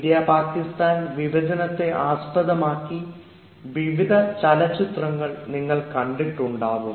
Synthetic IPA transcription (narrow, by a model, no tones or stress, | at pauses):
id̪jaːpaːkːist̪aːnʋiʋɐd͡ʑɐnɐt̪ːe̞ʔaːspɐðɐmaːkːi | ʋiʋid̪ʱɐt͡ɕɐlɐt͡ɕːit̪rɐŋːɐɭniŋːɐɭkɐɳɖik̚ʈːuɳɖaːʋum